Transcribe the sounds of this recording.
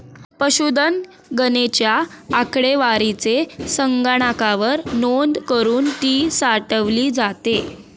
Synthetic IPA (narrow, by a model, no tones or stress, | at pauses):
pəɕud̪ən | ɡənet͡ɕjaːkɽeʋaɾit͡sesəŋɡaɽ̃akaʋəɾnond̪kəɾuːnt̪iːsaʈəʋliːd͡zat̪e